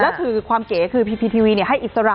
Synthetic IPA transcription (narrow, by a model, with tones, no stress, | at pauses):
lɛ˦˥kʰɯː˧kʰwaː˧mkeː˩˦kʰɯː˧pʰiː˧pʰiː˧pʰiː˧wiː˧ni˥˩əɦa˥˩jʔi˨t̪̚sa˧ɾa˧